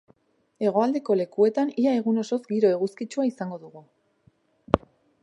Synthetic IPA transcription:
e̞ɣ̞o̞ald̪e̞ko̞le̞kue̞t̪aniae̞ɣuno̞so̞zɡiɾoe̞ɣuskit͡ʃuaisaŋɡo̞ðuɣu

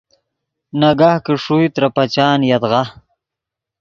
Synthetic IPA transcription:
naɡahkəʂujt̪ɾapat͡ɕɑːnjad̪ʁa

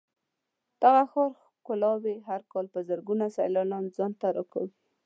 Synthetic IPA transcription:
d̪̥aɣaxoɾ | kʊlɑweɦaɾkɑlpəzəɾɡunasa̰jlɑnɑnzɑnt̪aɾɑka̰wi

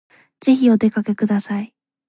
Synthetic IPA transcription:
z̥e̞çio̞t̪e̞kake̞kɯ̟d̪asai

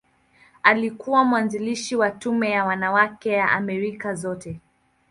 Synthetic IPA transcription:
alikuwamuwanziliʃiwatumɛjawanawakɛjaʔamɛɾikazɔtɛ

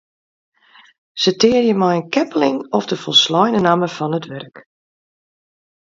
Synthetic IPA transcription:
sətɪːərjəmɛjənkɛpəlɪŋɔfdəfɔlˠslɔjnənaməfɔnətʋɛrk

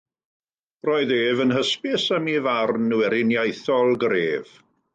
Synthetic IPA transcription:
rɔɨðeːvənɦəspɪsəmivarnuwɛɾɪnjajθɔlˠɡreːv̥

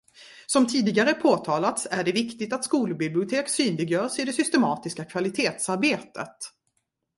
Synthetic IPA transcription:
sɔmt̪ʰiːd̪ɪɡaɾəpʰoːt̪ʰɑːlat̪sæɖɛvɪkt̪ɪt̪at̪skuːlbɪblɪʊt̪ʰeːksyːnlɪɡjœːʂɪd̪ɛsʏst̪ɛmɑːt̪ɪskakʰvalɪt̪ʰeːt̪saɾbeːt̪ə̰t̪

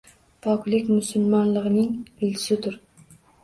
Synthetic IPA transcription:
pʰɒklɪkʲmʊsʊlˠmɒnlˠɨʁɨnɪŋɪlɪ̥sɪt̪ʊɾ

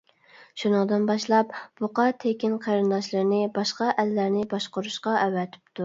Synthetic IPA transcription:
ʃunɨŋd̪ɨnbɑʃlˠɑpboqɑt̪ʰekʲinqʰæɾɨnd̪ɑʃlˠɨɾnɪbɑʃqɑʔælːæɾnɪbɑʃqʊɾuʃqɑʔɛwɛt̪ʰɪ̥pt̪u

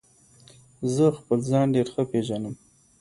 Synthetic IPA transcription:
zəxpəlzɑnɖeɾxəpeʒanəm

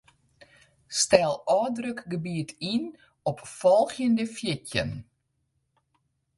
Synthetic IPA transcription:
stɛlˠɔːdrøkɡəbiətʰin | ɔpfɔlˠxjəndəfjɪtjə̰n

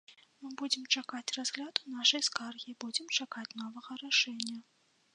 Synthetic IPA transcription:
mɨbud͡zʲɪmt͡ʂakat͡sʲrazɣlʲad̪unaʂɐjskarɣʲibud͡zʲɛmt͡ʂakat͡sʲn̪ɔvɐɣɐɾaʂɛnʲːɐ

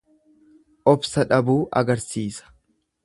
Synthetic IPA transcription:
ʔɔbsɐᶑɐbuːʔɐ̰ɡɐɾsiːsɐ̥

